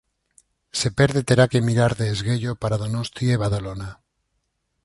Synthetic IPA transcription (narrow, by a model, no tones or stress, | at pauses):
se̞peɾðet̪e̞ɾake̞miɾaɾðeːzɣeʎopaɾaðonost̪ieβaðalona